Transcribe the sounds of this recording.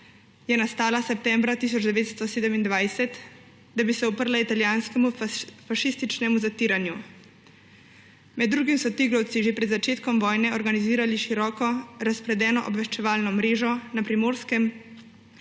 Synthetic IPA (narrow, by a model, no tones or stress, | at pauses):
jɛnast̪aːlasɛp̚t̪ɛmbɾat̪is̬ɔd͡ʒd̪ɛʋeːt̪st̪ɔseːd̪ɛmind̪ʋajsɛt̪ | d̪abisɛɔpəɾlait̪aljaːnskɛmufaʃist̪it͡ʃnɛmuzat̪iːɾanju | mɛd̪ːɾuːɡimsɔt̪iɡɾɔwt̪siʒepɾɛd̪zat͡ʃeːt̪kɔmʋɔːjnɛɔɾɡaniziːɾaliʃiɾɔːkɔɾaspɾɛd̪ɛːnɔʔɔbʋɛʃt͡ʃɛʋaːlnɔmɾeːʒɔnapɾimoːɾskɛm